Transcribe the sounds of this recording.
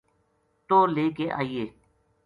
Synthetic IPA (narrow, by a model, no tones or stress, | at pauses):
t̪oːleːkeːʔa̰ːiːeː